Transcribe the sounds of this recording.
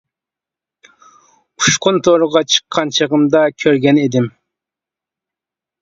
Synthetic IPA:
uʃqʰʊnt̪ʰoɾəʁɑt͡ʃʰə̥qʰːɑnt͡ʃʰəʁəmd̪ɑkʲʰøɾɡʲɛned̪ɪm

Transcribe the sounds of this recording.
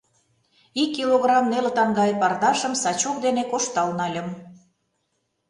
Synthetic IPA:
ikːiloɣrɑmnelət̪ɑŋɡɑjpɑrd̪ɑʃə̆msɑt͡ɕuk̚d̪enekoʃt̪ɑlnɑlʲə̆m

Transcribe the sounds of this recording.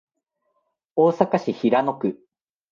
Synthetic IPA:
oːsakaɕiçiɾano̞kɯ̟

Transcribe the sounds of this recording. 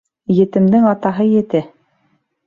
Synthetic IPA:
jɘ̆t̪ɘ̆md̪ɘŋɑt̪ɑɦɤjɘ̆t̪ɘ

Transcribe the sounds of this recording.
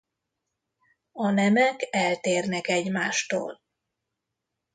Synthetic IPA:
ɒnɛmɛkɛlt̪eːrnɛkɛɟmaːʃt̪o̰ːl

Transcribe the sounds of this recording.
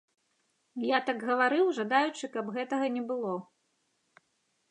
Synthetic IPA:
jat̪aɡɣɐvaɾɨwʐad̪ajut͡ʂɨkɐbɣɛt̪ɐɣɐnʲɛbɨlˠɔ

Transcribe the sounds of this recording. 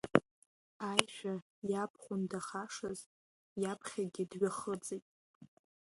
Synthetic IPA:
ajʃᶣa | japʰχʷʊndaχaʂaz̥ | japʰχʲaɡʲɪdɥaχət͡sʼejtʼ

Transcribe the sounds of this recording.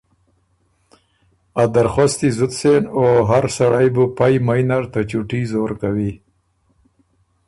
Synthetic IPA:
ad̪aɾxost̪izʊt̪senoɦaɾsaɽajbupajmajnaɾt̪at͡ʃuʈizoːɾkawi

